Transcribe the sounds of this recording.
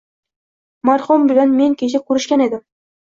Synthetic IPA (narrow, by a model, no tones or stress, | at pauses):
maɾχʊmbɪlanme̞ŋkʲʰeʃ̬ɪkʰʲɵɾɪʃkʲane̞d̪ɪm